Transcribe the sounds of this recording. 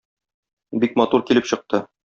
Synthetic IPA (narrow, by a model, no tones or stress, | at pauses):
bik̚mɒt̪uɾkilɘpɕɤ̆q̚t̪ɤ